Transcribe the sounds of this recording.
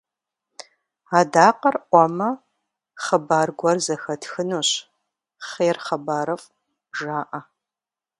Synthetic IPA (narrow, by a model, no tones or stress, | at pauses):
aːdaːqɐrʔʷɔmɐ | χəbaːrɡʷɐrzɐxɐtʰxɨnuːɕ | χeːrχɐbaːɾɐfʼ | ʒaːʔɐ